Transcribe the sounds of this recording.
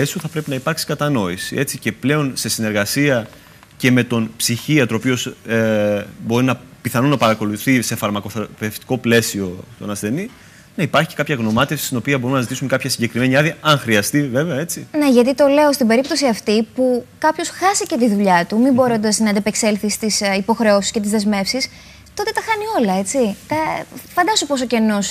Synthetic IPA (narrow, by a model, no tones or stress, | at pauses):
esuθɐpɾe̞pinɐipɐɾksi̥kɐt̪ɐno̞isie̞t͡siceple̞o̞nse̞sine̞ɾɣɐsiɐ | ce̞me̞t̪o̞npsiçiɐt̪oopio̞sebo̞ɾinɐpiθɐnonɐpɐɾɐko̞luθise̞fɐɾmɐkoθeft̪i̥ko̞ple̞sio̞t̪o̞̰nɐsθe̞ni | nɐipɐɾçi̥cekɐpçɐɣno̞mɐt̪efsi̥st̪ino̞piɐbo̞ɾunɐzit̪isuŋkɐpçɐsiɲɟe̞kɾime̞niɐðiɐɐŋxɾiɐst̪ive̞veɐet͡sineʝɐt̪it̪o̞le̞ost̪ibe̞ɾipt̪o̞siɐft̪ipukɐpço̞sxɐsice̞t̪iðuʎɐt̪umimboɾo̞nd̪ɐznɐd̪ɐpekse̞lθist̪isipo̞xɾe̞osisce̞t̪̬izðe̞zme̞fsis | t̪o̞t̪e̞t̪ɐxɐnio̞lɐe̞t͡sit̪ɐfɐnd̪ɐsopo̞s̬oce̞no̞s